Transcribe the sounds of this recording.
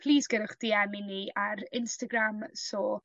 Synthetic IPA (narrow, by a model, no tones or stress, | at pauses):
pʰl̥ˠiːsɡ̥əɾʊχd̥iːɛmɪniaɾɪnstaɡramsɔː